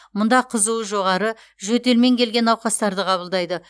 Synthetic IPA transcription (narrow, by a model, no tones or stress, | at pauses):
mʊnd̪ɑqʰəzuwəʒo̞ʁɑɾə | ʒɵt̪e̞lme̞ŋkʲʰe̞lɡʲe̞nɑwqɑst̪ɑɾd̪əqʰɑβəlˠd̪ɑjd̪ə